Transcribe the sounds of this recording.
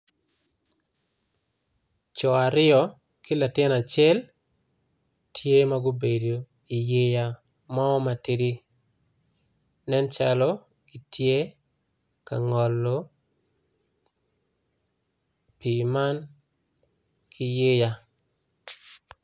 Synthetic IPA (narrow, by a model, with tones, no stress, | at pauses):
t͡ʃɔ˨a˨ɾɪ˦ɔ˦ | ki˦la˨tɪ˦na˨t͡ʃɛ˦l | tʰje˦maɡʊ˦be˨do˨ | i˨je˦ja˦ | mɔ˦ɔ˦ma˨ti˦di˦ | nɛ˦nt͡ʃa˦lɔ˦ | ɡi˨tʰje˦ | ka˨ŋɔ˨lːo | pi˨ma˦n | kʰi˦je˦ja˦